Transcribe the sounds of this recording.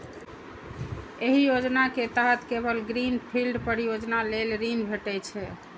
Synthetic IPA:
eɦijod͡ʒnaket̪əɦət̪kebəlɡɾinpʰilɖpəɾijod͡ʒnalelɾinbʱeʈɛt͡ʃʰɛ

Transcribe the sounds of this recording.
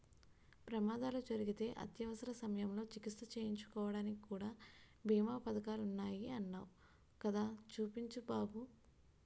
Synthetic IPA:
pɾɐmaːd̪aːlud͡ʒɐɾiɡit̪e̞ːʔɐ̰t̪jɐʋɐsɐɾɐsɐmɐjɐmlo̞ːt͡ʃikit̪sɐt͡ʃeːjiɲt͡ʃu̥kɔːʋɐɽaːnikikuːɽaː | bʱiːmaːpɐd̪ɐkaːlunːaːjiɐnːaːu | kɐd̪aːt͡ʃuːpiɲt͡ʃubaːbu

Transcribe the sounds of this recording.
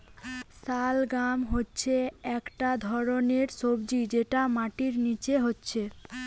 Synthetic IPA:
salɡamɦotːɕʰeɛkʈad̪ʱɔɾoneɾsobd͡ʑid͡ʑeʈamaʈiɾnit͡ɕeɦotːɕʰe

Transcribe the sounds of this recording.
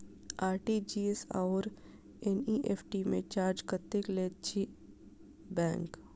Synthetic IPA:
aːɾʈid͡ʒiesaːɾ | ɛniʔeːfʰʈimẽt͡ʃaːɾd͡ʒkət̪ːekleːt̪t͡ʃʰi | bɛ̃ːŋk

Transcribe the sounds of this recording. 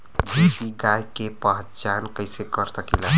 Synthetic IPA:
bitiɡajkepəɦət͡ʃankəjsekəɾsəkila

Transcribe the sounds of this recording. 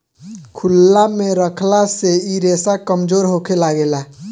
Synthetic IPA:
kʰulːamẽɾəkʰlaseiɾesakəmd͡ʒoːɾɦokʰelaɡela

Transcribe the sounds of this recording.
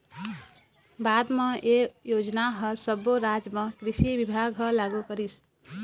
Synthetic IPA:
bad̪mẽejod͡ʒnaɦəsəboɾad͡ʒmẽkɾisiʋibʱaɡɦəlaɡukəɾis

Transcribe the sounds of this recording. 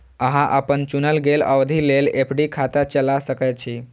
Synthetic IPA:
əɦãʔəpənt͡ʃunəlɡelə̰wd̪ʱilelepʰɖikʰat̪at͡ʃəlasəkɛt̪̚t͡ʃʰi

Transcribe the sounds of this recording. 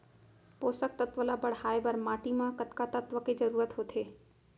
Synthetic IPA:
poːsək̚t̪ət̪ʋəlabəɽ̤aːebəɾmaːʈimãkət̪kat̪ət̪ʋəked͡ʒəɾuːɾət̪ɦoːt̪ʰeː

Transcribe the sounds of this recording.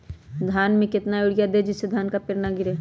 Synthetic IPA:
d̪ʱaːnmẽkɪt̪naʊɽɪjad̪eːd͡ʒɪsːed̪ʱaːnkapɪɾnaɡɪɾeː

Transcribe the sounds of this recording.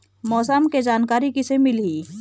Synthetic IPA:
mɔːsəmked͡ʒaːnkaːɾikisemɪliː

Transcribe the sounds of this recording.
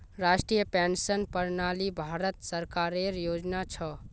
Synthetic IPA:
ɾasʈɾijəpɛnsənpəɾnalibʱaɾət̪səɾkaɾeɾjod͡ʒnat͡ʃʰɔ

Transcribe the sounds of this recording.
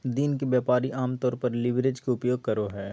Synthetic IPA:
d̪iːnkebjaːpaːɾiʔaːmt̪ɔːɾpɐɾlɪʋɾed͡ʒkeʊpjoːɡ̚kɐɾoɦɛː

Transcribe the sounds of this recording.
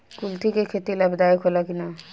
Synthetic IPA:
kult̪ʰikekʰet̪ilabd̪aikʰolakina

